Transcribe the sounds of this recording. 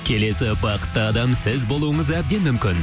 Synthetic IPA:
kʲʰe̞le̞sɪbɑqə̥t̪ːəɑd̪ɑmsɪzbo̞lˠuəɴəzæb̚d̪e̞nmʏmkʲɪn

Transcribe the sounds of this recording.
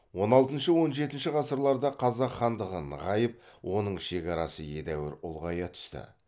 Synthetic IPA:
wo̞nɑlˠt̪ənʃəwo̞nʒe̞t̪ɪnʃɪʁɑsəɾlˠɑɾd̪ɑqʰɑzɑqχːɑnd̪əʁənə̰ʁɑjəp̚wʔo̞nəɴʃe̞kʲɑɾɑsəje̞d̪æwɪɾʊlˠʁɑjɑt̪ʰʏ̥st̪ɪ̰

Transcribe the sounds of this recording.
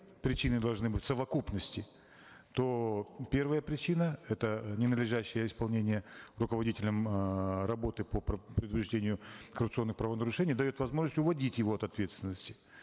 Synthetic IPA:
pɾʲɪt͡ɕinɨd̪ɐlˠʐnɨbɨtʲsəvɐkupnəsʲtʲɪ | t̪opʲe̞rvəjəpɾʲɪt͡ɕinəɛt̪ənʲɪnəd̪lʲɪʐæɕːɪjəɪspɐlˠnʲenʲɪjərʊkəvɐdʲitʲɪlʲəmɾɐbo̞t̪ɨpəppɾʲɪd̪ʊpɾʲɪʐdʲenʲɪjʊkərʊp̚t̪sɨo̞nːɨxpɾavənəɾʊʂɛnʲɪjd̪ɐjo̞t̪vɐzmo̞ʐnəsʲtʲʊvɐdʲitʲjɪvo̞ɐt̪ɐt̪vʲe̞t̪st̪ʲɪnːəsʲtʲɪ̥

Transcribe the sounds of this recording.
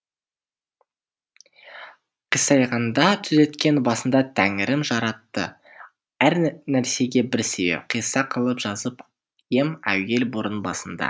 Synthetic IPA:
qʰijsɑjʁɑnd̪ɑt̪ʰʏze̞t̪kʲe̞nbɑsənd̪ɑt̪ʰæŋɪɾɪmʒɑɾɑt̪ːə̰ | æɾnæɾse̞ɡʲe̞bɪɾsebḛqʰijsɑqʰəlˠəpʒ̥ɑzəp | je̞mæ̰we̞lboɾənbɑ̰sənd̪ɑ̰

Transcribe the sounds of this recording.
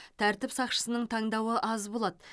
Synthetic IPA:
t̪ʰæɾt̪ɪpsɑqʃə̥sənəɴt̪ʰɑɴd̪ɑwəʔɑzbolˠɑd̪ə

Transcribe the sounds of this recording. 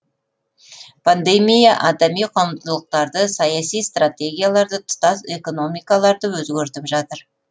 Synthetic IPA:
pʰand̪emijaʔɑd̪emijqʰomt̪əlˠəq̚t̪ɑɾd̪əsɑjɑsijst̪rat̪ʲe̞ɡʲijalˠɑɾd̪ət̪ʰʊ̥t̪ɑse̞ko̞no̞mijkɑlˠɑɾd̪əwɵzɡʲeɾt̪ɪpʒɑt̪əɾ

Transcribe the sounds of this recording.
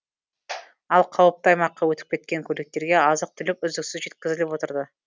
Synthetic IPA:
ɑlˠqʰɑwəp̚t̪ɑjmɑqːɑwɵt̪ɪ̥p̚kʲe̞t̪̚kʲe̞ŋkʲʰɵlek̚t̪e̞ɾɡʲe̞ɑzəq̚t̪ʰʏlɪk̚ʲʏzd̪ɪksɪzʒe̞t̪kʲɪzɪlɪpwo̞t̪əɾd̪ə

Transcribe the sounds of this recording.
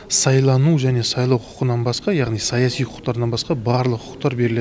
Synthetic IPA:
sɑjlˠɑnuʒæne̞sɑjlˠɑwqʰʊ̥qənɑnbɑsqɑjɑʁnijsɑjɑsijqʰʊ̥qt̪ɑɾd̪ɑnbɑsqɑbɑɾlˠəqʰʊ̥qt̪ɑɾbe̞ɾɪle

